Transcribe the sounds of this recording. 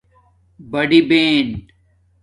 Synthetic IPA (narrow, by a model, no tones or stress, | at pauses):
bɐɖibeːn